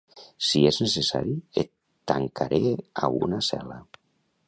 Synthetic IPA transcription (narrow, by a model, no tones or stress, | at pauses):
sieznesesa̰ɾiet̪ː | aŋkʰaɾeaunasɛ̰la